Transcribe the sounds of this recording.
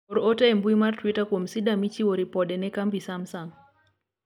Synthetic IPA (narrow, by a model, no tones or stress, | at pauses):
oɾotɛembuimartwitakwomsidamit͡ʃiwoɾipɔdɛnɛkambisamsaŋ